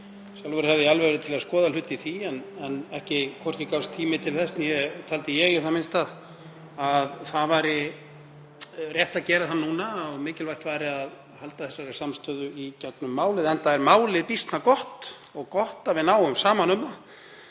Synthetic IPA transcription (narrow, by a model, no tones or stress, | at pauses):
sjalvʏɾhɛvðɪalvɛɣɾɪt̪ʰɪlaðskɔːðalʏt̪ːiθiɛnɛnɛhcɪkʰɔr̥cɪkawst̪ʰːiːmɪt̪ʰɪlθɛsnjɛt̪ʰaːlt̪ɪjɛɣɪ̥ɾ̥θamɪnst̪að | aðθaðvaɾɪ | rjɛht̪aðcɛːɾaðθanːuːnaɔɣmɪːcɪlvajt̪vaːɾɪað | halt̪aθɛsːaɾɪ̥samst̪œːðʏicœk̪nʏmːaːwlɪðɛnt̪aɛɾmaːwlɪðpist̪nakɔht̪ | ɔɣkɔht̪avɪðnaːwʏmsaːmanʏmːa